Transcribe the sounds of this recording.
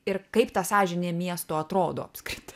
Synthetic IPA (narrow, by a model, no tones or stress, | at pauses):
ɪɾkɐɪpt̪ɐsɑːʒʲɪnʲemʲiɛst̪oːɐt̪ɾoːd̪o̰ːɐpskɾʲɪt̪